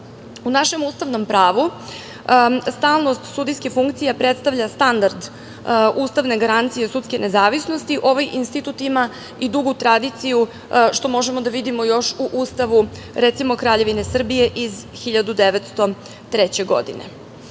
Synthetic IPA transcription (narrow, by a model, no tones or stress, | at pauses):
unaʃe̞muːst̪aʋno̞mpɾaːʋu | st̪aːlˠno̞st̪sud̪ijskifuŋkt̪sijapɾet̪st̪aʋʎast̪and̪aɾd̪ | uːst̪aʋne̞ɡaɾant̪sije̞sut̪ske̞ne̞zaːʋisnost̪iʔo̞ʋajʔinst̪it̪ut̪ima | id̪uɡut̪ɾad̪it̪siju | ʃt̪o̞mo̞ʒemod̪aʋid̪imo̞jo̞ʃuʔuːst̪aʋu | ɾɛt̪simo̞kɾaːʎe̞ʋine̞sr̩bije̞ʔizxiʎad̪ud̪eʋet̪st̪o̞ | t̪ɾet͡ɕe̞ɡo̞̰d̪ḭnḛ